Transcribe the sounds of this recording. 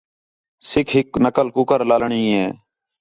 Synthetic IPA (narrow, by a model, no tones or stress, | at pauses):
sɪkʰɦɪknəkəlkuːkəɾlaːlɳĩːeː